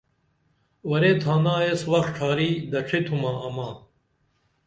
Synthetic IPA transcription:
wɐɾeːt̪ʰãːnãːeːswɐk̪̚ʈ͡ʂʰaːɾiːd̪ɐʈ͡ʂʰet̪ʰumãːɐmãː

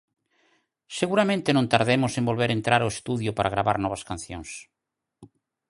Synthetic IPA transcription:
seɣuɾamẽnt̪enõnt̪aɾðemʊsẽmbolβeɾent̪ɾaɾoest̪uðjʊpaɾʔaɣ̞ɾaβa̰ɾnɔβ̞askan̟θjõŋs

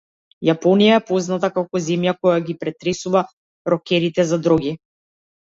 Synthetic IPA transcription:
japɔnijaɛpɔznat̪akakɔzɛmjakɔjaɡipɾɛt̪ɾɛsuva | ɾɔkʲɛɾit̪ɛzad̪ɾɔɡi

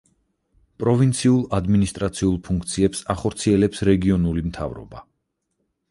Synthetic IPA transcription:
pʼɾɔvint̪sʰiulˠad̪minist̪ʼɾat̪sʰiulˠpʰuŋk̚ʰt̪sʰiɛpsaχɔɾt̪sʰiɛlɛpsɾɛɡiɔnulimt̪ʰa̰vɾɔ̰ba̰

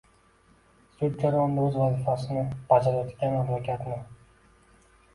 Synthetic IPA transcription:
sʊd̪̚d͡ʒaɾajɒnd̪aɵzvazɪfasɪnɪb̥ad͡ʒaɾjɒt̪ʰɪlɡʲanad̪lakʲʰat̪nɪ

